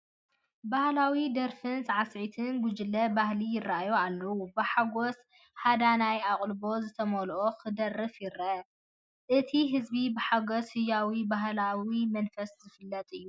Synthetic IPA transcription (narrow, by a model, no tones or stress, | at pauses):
bahlawid̪ɐɾfɨnzʕasʕit̪ʰɨnɡʊd͡ʒɨlːɐbahlijɪrːaʔajoalːɐwubɨħaɡos | had̪anajakʼlbo̞zɨt̪ʰɐmolʔoxɨd̪ɐrːɨfjɪɾɐ | ʔɨt̪ʰiɦɨzbibɨħaɡoshɨjːawibaɦlawimɐnfɐszɨfɨlːɐt̪ʼɨjːu